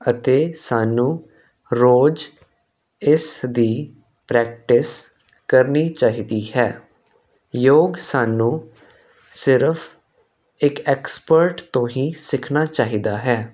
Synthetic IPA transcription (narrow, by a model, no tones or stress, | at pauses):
ət̪eːsaːnũː | ɾoːd͡ʒ | ɪsd̪iː | pɾɛːk̚ʈɪs | kəɾniːt͡ʃaːɦiːd̪iːhɛː | joːɡsaːnũː | sɪɾpʰ | ɪkɛːkspəɾʈt̪õːɦiːsɪkʰnaːt͡ʃaːɦiːd̪aːɦɛː